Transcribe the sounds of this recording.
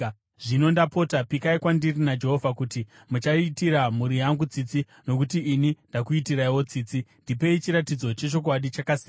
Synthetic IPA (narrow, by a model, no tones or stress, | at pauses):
ʐino̞ndapo̞tapikaikwandirinad͡ʒe̞ɦo̞vʱakuti | mut͡ʃaitiɾamuɾijaŋɡut͡sit͡si | no̞kutiːnindakuitiɾaiwo̞t͡siːt͡sindipe̞it͡ʃiɾatid͡zo̞t͡ʃe̞t͡ʃo̞k̬waɗit͡ʃakasi